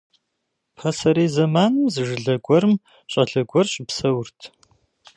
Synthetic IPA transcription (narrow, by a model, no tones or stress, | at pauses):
pʰɐsɐɾeːzɐmaːnɨmzɨʒɨɮɐɡʷɔɾɨm | ɕʼɐɮɐɡʷɔrɕʼɪpsɐwʊrtʰ